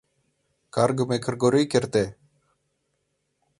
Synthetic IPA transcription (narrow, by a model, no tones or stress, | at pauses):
kaɾɡəmeːkʰəɾɡoːɾoikeɾt̪eː